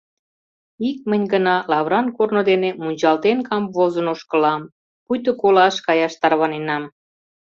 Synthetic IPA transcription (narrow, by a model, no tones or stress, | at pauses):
ik̚mənʲɡənɑlɑβɾɑnkornod̪enemunʲt͡ɕɑlt̪enkɑmvozənoʃkəlɑm | pujt̪̬əkolɑʃkɑjɑʃt̪ɑrβɑnenɑm